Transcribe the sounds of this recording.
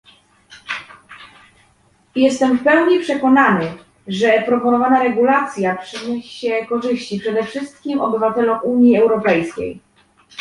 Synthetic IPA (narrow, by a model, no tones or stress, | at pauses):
jɛst̪ɛmfpɛwɲipʂɛkɔnanɘ | ʐɛpɾɔpɔnɔvanaɾɛɡulat̪sʲjapʂɘɲɛɕɕɕɛkɔʐɘɕt͡ɕipʂɛd̪ɛfʂɘst̪̚kʲimɔbɘvat̪ɛlɔmuɲjiɛwɾɔpɛjskʲḛj